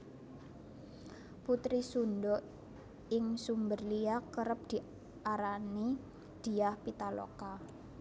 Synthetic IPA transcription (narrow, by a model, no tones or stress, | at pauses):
put̪ɾisundɔʔ | ɪŋsumbərliakəɾəp̚d̪̥i̤ | ʔaɾani | d̪̥i̤ahpit̪alo̰ka